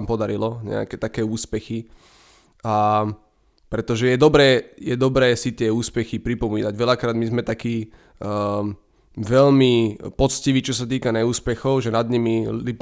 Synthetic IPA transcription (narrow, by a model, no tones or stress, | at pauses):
mpɔd̪aɾilɔɲɛ̰a̰kɛːt̪akɛːuːspɛxi | a | pɾɛt̪ɔʒɛjɛd̪ɔbɾɛːjɛd̪ɔbɾɛːsit̪ɪɛuːspɛxipɾipɔmiːnaɟʋɛʎakɾaːd̪mizmɛt̪akiː | ʋɛlmipɔt͡sciʋiːt͡ʃɔsat̪iːkanɛuːspɛxɔʊʒɛnad̪ɲimiip